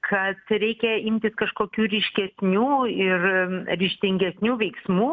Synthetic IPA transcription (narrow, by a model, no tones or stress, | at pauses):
kʰɐt̪ɾʲɛɪkʲɛɪmʲt̪ʲɪskɐʃkoːkʲuːɾʲɪʃʲkʲɛsʲnʲuːɪrɾʲɪʃʲt̪ʲɪŋʲɡʲɛsʲnʲuːʋʲɛɪksmuː